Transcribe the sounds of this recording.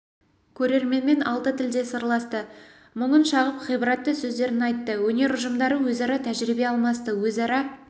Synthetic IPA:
kʲʰɵɾe̞ɾme̞nme̞nɑ̰lˠt̪ət̪ʰɪld̪e̞səɾlˠɑst̪ə | məɴənʃɑʁəpχəjbəɾɑt̪ːəsɵzd̪e̞ɾɪnɑjt̪ːəwɵne̞ɾʊʒəmd̪ɑɾəwɵzɑɾɑt̪ʰæʒɾibe̞ɑlˠmɑst̪əwɵzɑɾɑ

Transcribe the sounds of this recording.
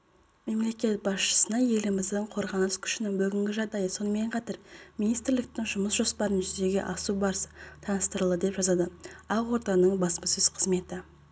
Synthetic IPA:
me̞mle̞kʲe̞t̪̚bɑsʃə̥sənɑje̞lɪmɪzd̪ɪɴqʰo̞ɾʁɑnəskʲʰʏ̥ʃɪnɪŋbʏɡʲɪŋɡʲɪʒɑʁd̪ɑjəso̞nəme̞ɴqʰɑt̪ɑɾminijst̪ɾlɪk̚t̪ɪŋʒʊməsʒ̥o̞spɑɾənʒʏzd̪e̞ɡʲe̞̰ʔɑsubɑɾsə̥t̪ʰɑnəst̪əɾəlˠd̪əd̪e̞pʒɑzɑd̪əɑʁwo̞ɾt̪ɑnəɴbɑspəsɵz̥qʰəzme̞t̪ɪ

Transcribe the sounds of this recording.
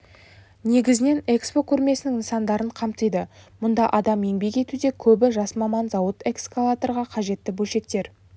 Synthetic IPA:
ne̞ɡʲɪzɪne̞ne̞kspo̞kʲʰɵɾme̞sɪnɪŋənsɑnd̪ɑɾəɴqʰɑmt̪əjd̪əmʊnd̪ɑʔɑd̪ɑmje̞ŋbe̞kʲe̞t̪ud̪ekʲʰɵbɪʒɑsmɑmɑnzɑwət̪e̞kskalˠat̪o̞rʁɑqʰɑʒe̞t̪ːɪbɵlʃe̞k̚t̪e̞ɾ

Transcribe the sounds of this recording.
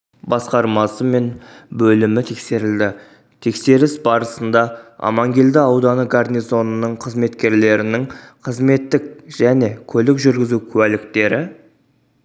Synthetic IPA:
bɑsqɑɾmɑsəme̞nbɵlɪmɪt̪ʰe̞kse̞ɾɪld̪ɪ | t̪ʰe̞kse̞ɾɪsbɑɾəsənd̪ɑɑ̰mɑŋɡʲeld̪ɪɑwd̪ɑnəɡarnʲijzo̞nənəɴqʰəzme̞t̪kʲe̞ɾle̞ɾɪnɪŋqʰəzme̞t̪ːɪkʒ̥æne̞kʲʰɵlɪkʒʏɾɡʲɪzukʲʰʉwælɪkt̪e̞ɾɪ

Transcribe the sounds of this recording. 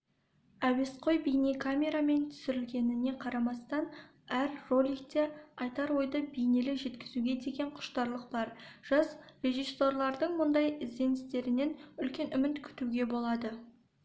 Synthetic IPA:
æwe̞sqʰo̞jbejnekʰamʲe̞ɾame̞nt̪ʰʏ̥sɪɾɪlɡʲe̞nɪne̞qʰɑɾɑmɑst̪ɑn | æɾrolʲijk̚t̪e̞ɑjt̪ɑɾwo̞jd̪əbejne̞lɪʒe̞t̪kʲɪzuɡʲe̞d̪e̞ɡʲe̞ɴqʰʊ̥ʃt̪ɑɾlˠəq̚bɑɾʒ̥ɑsre̞ʒiso̞rlˠɑɾd̪əɴmʊnd̪ɑjɪzd̪e̞nɪst̪e̞ɾɪne̞nʏlkʲe̞nʔʏmɪt̪kʲʰʏ̥t̪uɡʲe̞bo̞lˠɑd̪ə

